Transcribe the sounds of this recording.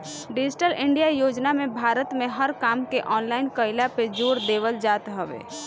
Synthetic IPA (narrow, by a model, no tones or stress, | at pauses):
ɖɪd͡ʒɪʈəlɪ̃ɳɖijajoːd͡ʒnamẽbʱaːɾət̪mẽɦəɾkaːmkeʔɔːnlaːɪnkəɪlaped͡ʒoːɾd̪eːʋəld͡ʒaːt̪ɦɛʋḛː